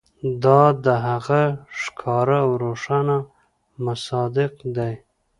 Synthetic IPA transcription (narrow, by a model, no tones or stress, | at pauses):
d̪ɑd̪əɦaɣaʂkʰɑɾawɾoʂana | masɑd̪ɪqd̪aj